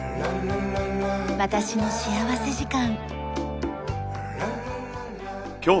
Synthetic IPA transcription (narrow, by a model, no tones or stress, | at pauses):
βat̪aɕino̞ɕiaβase̞ʑikãŋ | kʲoː